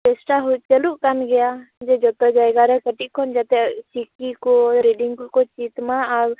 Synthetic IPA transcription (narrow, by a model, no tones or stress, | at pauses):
ʈɛsʈaɦut̪̚t͡ʃəluʔkanɡɛjad͡ʒɛd͡ʒɔt̪ɔd͡ʒajɡaɾɛkəʈiʔkʰɔnd͡ʒat̪ɛsikikɔɾeɖiŋkɔt͡ʃit̪maːɾ